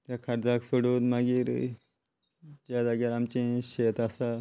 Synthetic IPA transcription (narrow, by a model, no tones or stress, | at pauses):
t̪jakʰaɾd͡zaksoɽod̪maɡiːɾ̰ | d͡ʑad͡zaɡjaɾamt͡ɕẽɕet̪asa